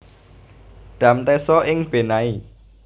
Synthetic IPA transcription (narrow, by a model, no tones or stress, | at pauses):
ɖ̪̥ä̤mt̪ɛsɔʔɪŋb̥e̤nai